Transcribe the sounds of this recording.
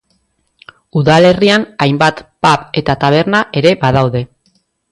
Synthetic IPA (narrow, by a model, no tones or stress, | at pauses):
uðale̞rianajmbat̪pape̞t̪at̪aβ̞e̞ɾnaʔe̞ɾe̞baðawðe̞